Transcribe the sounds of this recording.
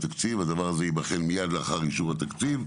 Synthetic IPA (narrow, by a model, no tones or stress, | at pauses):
t̪akt͡sivad̪avaʁazeibaχenmijad̪laaχaʁiʃuvhat̪akt͡siv